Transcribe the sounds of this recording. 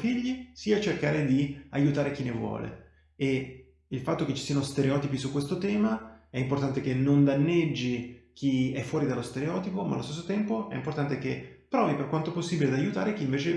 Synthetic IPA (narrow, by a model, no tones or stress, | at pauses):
fiʎːisiːat͡ʃerkaːɾed̪iajut̪aːɾek̟inevwɔ̰ːlḛ | e | ilfat̪ːok̟et͡ʃːi̥siːanost̪eɾeɔːt̪ipisukːwest̪ot̪ɛːmaɛimport̪ant̪ek̟enːond̪anːed͡ʒːik̟ʰiɛfːwɔːɾid̪alːost̪eɾeɔːt̪ipoma̰lost̪esːot̪ɛmpoɛ̰import̪ant̪ek̟epːɾɔːviperkwant̪oposːibiled̪ajut̪aːɾek̟iːɱveːt͡ʃe